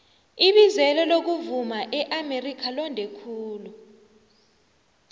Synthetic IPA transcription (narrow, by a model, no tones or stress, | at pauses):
iɓizɛlɛlok̬uvumaʔɛʔamerikʰalɔndʱɛkʰuːlu